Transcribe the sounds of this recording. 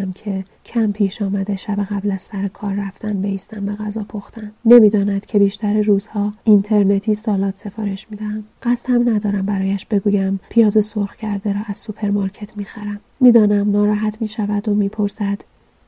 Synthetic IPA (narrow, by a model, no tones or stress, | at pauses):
mcʰe̞ | cʰæmpʰiːʃɒːmæd̪e̞ʃæbeɣæblæz̥sæɾekʰɒːɾːæft̪ʰænbe̞iːst̪æmbe̞ɣæzɒːpʰoxt̪ʰænːe̞miːd̪ɒːnæd̪̥cʰe̞biːʃt̪ʰæɾeruːz̥hɒːint̪ʰe̞ɾne̞t̪ʰiːsɒːlɒːt̪ʰse̞fɒ̰ːɾe̞ʃmiːd̪æhænɢ̥æst̪hæmnæd̪ɒːɾæmbæɾɒːjæʃb̥e̞ɡuːjæmpʰijɒːze̞solxcʰæɾd̪e̞ɾɒːʔæz̥supʰe̞ɾmɒɾcʰe̞t̪ʰmiːxæɾæmːiːd̪ɒːnæmnɒːɾɒːɦæt̪ʰmiːʃævæd̪omiːpʰo̞ɾsæd̪̥